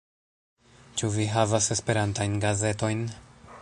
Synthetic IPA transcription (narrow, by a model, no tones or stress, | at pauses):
t͡ʃuviɦavase̞spe̞ɾantajnɡaze̞to̞jn